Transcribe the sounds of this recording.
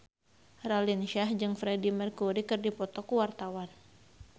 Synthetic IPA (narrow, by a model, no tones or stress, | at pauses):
ralinʃahd͡ʒɨŋfɾɛdimɛrkuɾikɨrdipɔt̪ɔkuwart̪awan